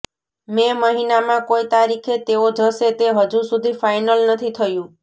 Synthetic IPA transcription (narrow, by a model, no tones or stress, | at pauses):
meməɦinamãkoit̪aɾikʰet̪eod͡ʒʱəset̪eɦəd͡ʒusud̪ʱifajnəlnət̪ʰit̪ʰəjũ